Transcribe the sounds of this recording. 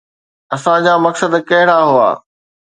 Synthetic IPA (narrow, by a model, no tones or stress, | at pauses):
ɐsãd͡ʑaːmɐksəd̪kɐɦɪɽaɦua̰ː